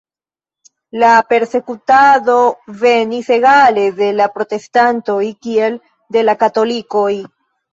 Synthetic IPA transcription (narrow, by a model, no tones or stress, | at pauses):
lape̞ɾse̞kutaðo̞ve̞nise̞ɣale̞ðe̞lapɾo̞te̞stanto̞jkie̞l | de̞lakato̞liko̞j